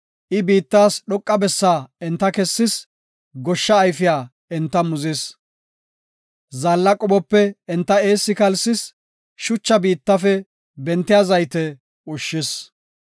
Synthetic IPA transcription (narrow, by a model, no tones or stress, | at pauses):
ʔɪbiːt̪ːaːsɗɔkʼːɐbɛsːaːɛnt̪ːɐkɛsːɪs | ɡɔʃːɐːjfɪjaː | ɛnt̪ːɐmʊzɪs | zaːlːɐkʼɔbɔpːɛɛnt̪ːɐe̞ːsːɪkɐlsɪs | ʃʊt͡ʃːɐbiːt̪ːɐfɛ | bɛnt̪ːɪjaːzɐjt̪ɛ | ʊʃːɪs